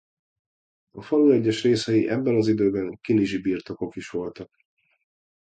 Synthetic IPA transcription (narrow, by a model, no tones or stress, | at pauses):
ɒfɒluɛɟːɛʃreːsɛjiʔɛbːɛnɒzid̪øːbɛnkiliʒibiːrt̪o̞ko̞kiʃʋo̞lt̪ɒk̚